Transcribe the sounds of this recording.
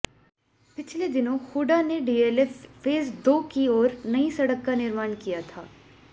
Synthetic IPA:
pɪt͡ʃʰled̪ɪnõxuːɖaneɖiːeːlɛfeːzd̪oːkiɔːɾnɐisɐɽəkːanɪɾmaːnkijat̪ʰa̰ː

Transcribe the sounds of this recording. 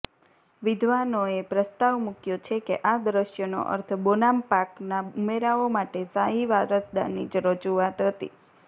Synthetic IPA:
ʋid̪ʱʋanoepɾəst̪aʋmukjot͡ʃʰekḛʔad̪ɾəʃjəno̰ʔə̰ɾt̪ʰbonampaknaumeɾaomaʈesaɦiʋaɾəsd̪a̰nid͡ʒɾəd͡ʒuat̪ɦət̪ḭ

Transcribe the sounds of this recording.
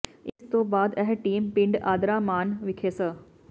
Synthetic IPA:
ɪst̪obaːd̪ɛɦʈiːmpɪ̃ɳɖaːd̪ɾaːmaːnʋɪkʰeːsə

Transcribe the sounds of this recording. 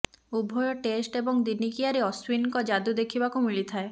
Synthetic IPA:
ubʱɔjɔʈesʈebɔŋd̪inikijaɾeɔswinkɔd͡ʒad̪ud̪ekʰibakumiɭit̪ʰae

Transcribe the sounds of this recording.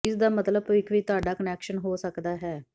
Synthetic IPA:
ɪsd̪aːmət̪ləbɪkʋiːt̪ʊaːɖaːkənɛːkʃənɦoːsəkd̪aːɦɛː

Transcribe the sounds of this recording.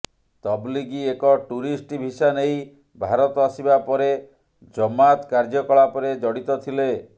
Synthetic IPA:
t̪ɔbliɡiekɔʈuɾisʈibʱisanej | bʱaɾɔt̪ɔasibapɔɾe | d͡ʒɔmat̪kaɾd͡ʒɔkɔɭapɔɾed͡ʒɔɽit̪ɔt̪ʰile

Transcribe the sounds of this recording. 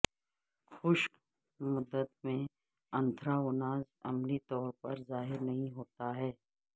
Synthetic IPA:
xʊʃk | mʊd̪ːət̪mẽ | ɐ̃nd̪ʱɾaʊnaːz | ɐ̰mlit̪ɔːɾpɐɾzaːɦɪɾnɐɦĩɦoːt̪aɦɛː

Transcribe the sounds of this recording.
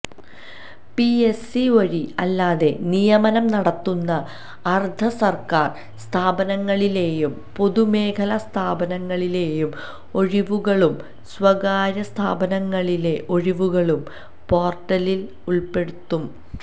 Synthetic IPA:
piesiɐɻiɐlːaːðe̞nijɐmɐnɐmnɐɽɐt̪ːunːɐː | rd̪ʱɐsɐrkaːr | st̪ʰaːbɐnɐŋːɐɭile̞ːjum | po̞ðume̞ːkʰɐlɐst̪ʰaːbɐnɐŋːɐɭile̞ːjum | o̞ɻiʋuɣɐɭum | swɐɣaːɾɐst̪ʰaːbɐnɐŋːɐɭile̞ʔo̞ɻiʋuɣɐɭum | po̞ːrʈːɐlil | uɭpe̞ɽut̪ːum

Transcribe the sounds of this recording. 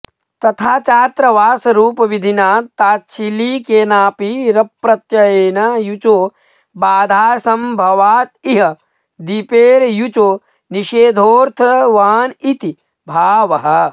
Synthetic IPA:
t̪ɐt̪ʰaːt͡ʃaːt̪ɾɐʋaːsɐɾuːpɐʋid̪ʱinaːt̪ːaːtːt͡ʃʰiliːkeːnaːpiɾɐpːɾɐt̪jɐjeːnɐjut͡ʃoː | baːd̪ʱaːsɐmbʱɐʋaːt̪̚iɦɐ | d̪ipeːɾjut͡ʃoː | niʃeːd̪ʱoːɾt̪ʰɐʋaːnit̪i | bʱaːʋɐɦɐ

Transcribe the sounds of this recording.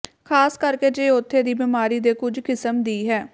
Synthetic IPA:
kʰaːskəɾkeːd͡ʒeːot̪ʰːeːd̪iːbiːmaːɾiːd̪eːkʊd͡ʒkɪsəmd̪iːɦɛː

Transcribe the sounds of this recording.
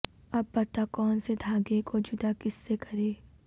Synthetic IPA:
ɐbpɐt̪akɔːnsed̪ʱaːɡekod͡ʒʊd̪akɪsːekɐɾeː

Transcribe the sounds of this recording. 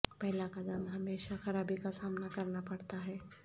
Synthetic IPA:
pɐɦlakad̪ɐmɦɐmeːʃaxɐɾaːbikasaːmnakɐɾnapɐɽt̪aɦɛː

